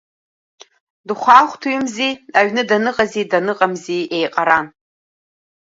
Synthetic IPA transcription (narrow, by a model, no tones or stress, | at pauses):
dɨχʷaːχʷtʰuɥɪmziaɥnɨdanɨqʼazidanɨqʼamziejqʼaɾan